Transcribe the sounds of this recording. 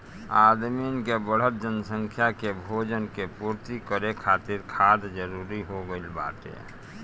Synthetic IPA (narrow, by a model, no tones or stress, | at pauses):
aːd̪minkebəɽ̤ət̪̚d͡ʒənsə̃ŋkʰjakebʱoːd͡ʒənkepuːɾt̪ikəɾekʰaːt̪ɪɾkʰaːd̪d͡ʒəɾuːɾiɦoɡəɪlba̰ːt̪ḛ